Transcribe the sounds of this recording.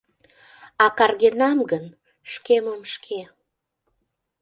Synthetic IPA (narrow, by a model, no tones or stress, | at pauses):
ɑkɑrɣenɑmɡən | ʃkeməmʃkʰe